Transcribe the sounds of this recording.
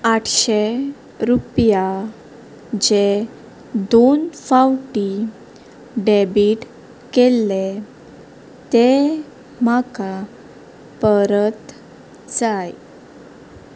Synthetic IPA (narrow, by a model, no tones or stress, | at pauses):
aʈʰɕe | ɾupja | d͡ʑe | d̪onfawʈi | ɖebiʈ | kelːe | t̪e | maka | pəɾət̪ | d͡zaj